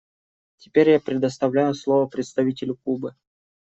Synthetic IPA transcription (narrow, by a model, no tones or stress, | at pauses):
tʲɪ̥pʲeɾʲjapɾʲɪd̪əst̪ɐvlʲæjʊslˠo̞vəpɾʲɪt̪st̪ɐvʲitʲɪlʲʊkubɨ